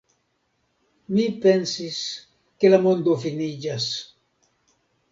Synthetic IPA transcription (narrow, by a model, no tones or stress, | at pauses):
mipensis | kelamond̪ofinid͡ʒas